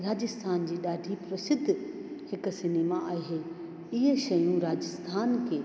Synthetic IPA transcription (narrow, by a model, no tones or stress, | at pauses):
ɾaːd͡ʑəst̪ʰaːnd͡ʑiːɗaːɖʱipɾɐsɪd̪ʱːhɪksɪneːmaʔaːɦeː | ɪɦʃɐjũɾaːd͡ʑəst̪ʰaːnkʰeː